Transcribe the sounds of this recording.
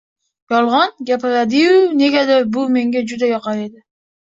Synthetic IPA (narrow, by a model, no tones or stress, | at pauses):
jɒlˠʁɑnɡʲapɪɾad̪ɪwne̞ɡʲad̪abʊme̞ŋɡʲad͡ʒʊd̪ajɒqɑed̪ɪ